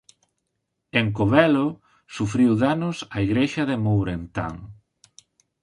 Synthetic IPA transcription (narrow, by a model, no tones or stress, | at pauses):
eŋkoβɛlo | sufɾiwðanʊsaiɣɾeʃɐðemowɾent̪a̰ŋ